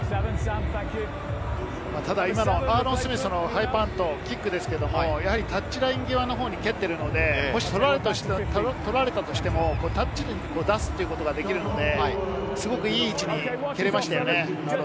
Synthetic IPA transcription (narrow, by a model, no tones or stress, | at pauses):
mat̪ad̪aimano̞aːɾõ̞ɰ̃sɨmesɨno̞haipãnt̪o̞kʲikːɯ̟d̪e̞sɨ̥keed̪o̞mojahaɾʲit̪at͡ɕt͡ɕːiɾaĩŋɡʲeβano̞ɦo̞ːɲ̟ike̞t̪ːe̞ɾɯ̟no̞d̪e̞mo̞ɕi̥t̪o̞ɾaɾet̪o̥t̪o̞ɾaɾe̞t̪at̪o̞ɕi̥t̪e̞mo̞ko̞ːt̪at͡ɕːiɲiɲko̞ːd̪asɨ̥t̪ːeiɯ̟ko̞t̪o̞ɡad̪e̞kʲiɾɯ̟no̞d̪e̞ | sɨɡo̞kɯ̟iːt͡ɕiɲ̟ike̞ɾe̞maɕi̥t̪ajo̞ne